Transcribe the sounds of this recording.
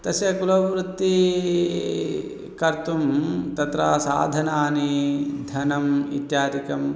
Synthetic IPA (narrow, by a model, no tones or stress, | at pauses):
t̪ɐsjɐkulɐʋɾut̪ːi | kɐɾt̪umt̪ɐt̪ɾaːsa̰ːd̪ʱɐnaːnid̪ʱɐnɐmḭt̪jaːd̪ikɐm